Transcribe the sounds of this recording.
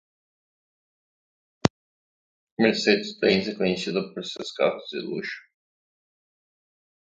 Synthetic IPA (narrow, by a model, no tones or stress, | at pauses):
meɾset̪ɪt̪ẽzɪkõɲesid̪ɐpoɾseska̰t̪ʊ̥zɪ̰lṵʃʊ̥